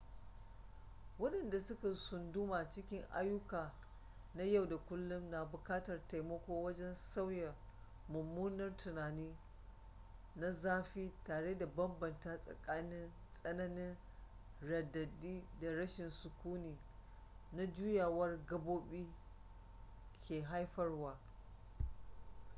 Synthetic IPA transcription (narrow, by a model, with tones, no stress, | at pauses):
wɐ˦ɗɐ˨nda˨sʊ˦ka˨sʊ˨ndʊ˦maː˨t͡ʃɪ˦kʲɪ˦ŋʔa̰˦jːʊ˦kaː˨ | na˦ja˦˨wda˨kʷʊ˦lːʊ˦mna˨bʊ˨kaː˦tɐ˨rta˨jmɐ˦kʷoː˦wɐ˦d͡ʒɛ˦nsa˦wja˨ | mʊ˨mːuː˦nɐ˦rtʊ˨naː˨niː˦ | na˦zaː˦ɸiː˦taː˨ɽeː˦da˨bɐ˦mbɐ˨ntaː˦sʼɐ̰˨kʼaː˦nɪ˦nsʼɐ˦nɐ˦nɪ˦ŋ | ɾɐ˨dːɐ˨diː˦da˨ɾɐ˦ʃɪ˨nsʊ˨kʷuː˦niː˨ | na˦d͡ʒuː˦jaː˨wɐ˦rɡɐ˦boː˦ɓiː˦ | kʲeː˨ɦa˦jɸɐ˦rwaː˦